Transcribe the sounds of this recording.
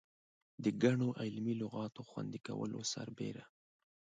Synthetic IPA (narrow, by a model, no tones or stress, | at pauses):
d̪əɡaɳoʔɪlmilʊɣɑt̪oxwa̰nd̪ikawə̰lo̰saɾbḛɾa